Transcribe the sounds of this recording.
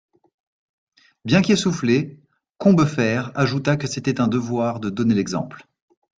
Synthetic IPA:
bjɛ̃kʲesufle | kɔ̃bəfɛʁaʒut̪akəset̪ɛt̪ɛ̃d̪əvwaʁd̪əd̪ɔnelɛɡzɑ̰̃pl

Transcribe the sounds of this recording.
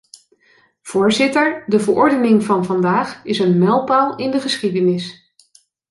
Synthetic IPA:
v̥ʊːɹzɪtəɹdəvəɹʔɔɹdənɪŋvɑnvɑndaːχɪsənmɛlˠpalˠɪndəχəsχidənɪs

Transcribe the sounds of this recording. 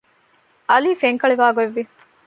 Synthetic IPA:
ʔɐliːfeŋkɐɭiʋaːɡoeʋːi

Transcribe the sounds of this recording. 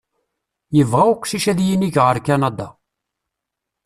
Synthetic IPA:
jəvʁæʊkʷːʃiʃæðjiniʝʁəɾkænɑd̪ɑ

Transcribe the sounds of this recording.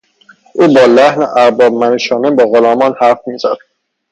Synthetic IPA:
ʔuːbɒːlæhneʔæɾbɒːb̚mæneʃɒːnebɒːɣolɒːmɒːnhæɾfmiːzæ̰d̪̥

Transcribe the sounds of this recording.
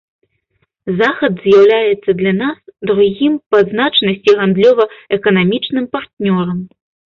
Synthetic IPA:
zaxɐd̪zjawlʲajɛt̪sːɐd̪lʲɐnasd̪ɾuɣʲimpɐznat͡ʂnɐsʲt͡sʲiɣand̪lʲɔvɐɛkɐnamʲit͡ʂnɨmpart̪nʲɔɾɐm

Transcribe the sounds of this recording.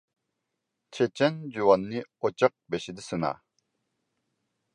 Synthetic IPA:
t͡ʃʰɛt͡ʃʰɛnd͡ʒuwɑnːɨot͡ʃʰɑq̚bɛʃid̪ɪsɨnɑ̰

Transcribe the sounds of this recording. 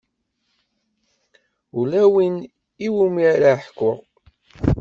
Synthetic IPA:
ulæwin | iwumiɾaħkːʊʁ

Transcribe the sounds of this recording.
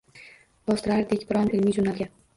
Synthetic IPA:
b̥ɒst̪ɾaɾd̪ekʲbɪɾɒnɪlmiːd͡ʒʊnalɡʲa

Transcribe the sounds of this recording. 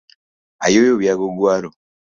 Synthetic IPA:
a̰joːjoβjaɡoɡwaːɾo

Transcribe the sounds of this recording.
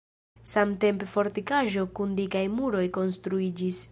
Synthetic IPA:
samte̞mpefo̞ɾtikaʒo̞kundikajmuɾo̞jko̞nst̪ɾuid͡ʒis

